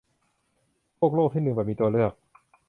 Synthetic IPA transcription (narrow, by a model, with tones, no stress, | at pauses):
pʰək̚loː˥˩k̚t̪ʰiː˥˩nɯ˧ŋbɛː˨˩p̚miː˧t̪u˧əlɯ˥˩ək̚